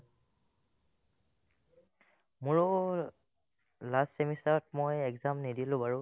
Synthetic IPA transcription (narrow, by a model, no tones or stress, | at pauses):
mʊɹɔ | lastsemisaɹɔt̚mojɛɡzamnidilʊ̃baɹʊ